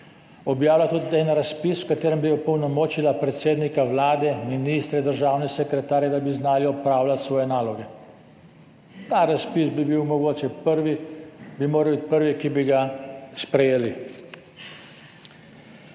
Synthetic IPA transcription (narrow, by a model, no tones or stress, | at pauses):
ɔbjaːwlʲat̪ud̪id̪ɛnɾaspiswkat̪eːɾɛmbiɔpɔwnɔmɔːt͡ʃilapɾɛt̪seːd̪nikaʋlaːd̪ɛminist̪ɾɛd̪əɾʒaːwnɛsɛkɾɛt̪aːɾjɛd̪abiznaːliɔpɾaːwlat̪sʋɔːjɛnaːlɔɡɛ | t̪aɾaspisbibiwmɔɡoːt͡ʃɛpəɾʋibimoːɾalwbit̪̚ʲpəɾʋikibiɡaspɾɛjeːli